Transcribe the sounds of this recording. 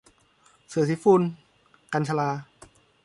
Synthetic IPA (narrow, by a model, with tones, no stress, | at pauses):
sɯ˨˩˦si˦˥fuː˧n | ka˧nt͡ɕʰa˧laː˧